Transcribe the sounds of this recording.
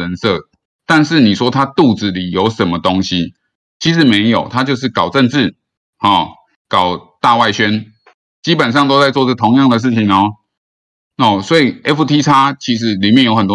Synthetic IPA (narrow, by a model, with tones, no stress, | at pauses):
ə˧˦nsɤ˥˩ | t̪a˥˧nʂɻ̩˥˩ni˨˩ʂwɔ˥t̪ʰa˥t̪u˥˨t͡sɹ̩˨˩li˨˩jo˧˥ʊʂə˨˩nmə˦t̪o˦ŋɕi˦ | t͡ɕʰi˧˥ʂ̬ɻ̩˧˦me˧˥ɪjo˨˩ʊt̪ʰa˦t͡ɕjo˥˧ʂ̬̩˥˩kɑ˨˩ʊʈ͡ʂə˥˧nʈ͡ʂɻ̩˥˩ | hɔ˥˨˩ | kɑ˨˩ʊt̪a˥˧wa˥˩ɪɕɥɛ˦˥n | t͡ɕi˦˥pə˨˩nʂ̬ɑ˥˧ŋt̪o˥ʊt͡sa˥˧ɪt͡swɔ˥˧ʈ͡ʂə˥˩t̪ʰo˧˥ŋjɑ˥˩ŋd̪ə˩ʂ̬̩˥˩t͡ɕʰi˨ŋɔ˧ | ɔ˥˩swɔ˧˥i˨˩ɛ˦˥fu˧t̪ʰi˥t͡sʰa˥t͡ɕʰi˧˥ʂ̬ɻ̩˧˥li˨˩mjɛ˥˨njo˥ʊxə˨˩nt̪wɔ˥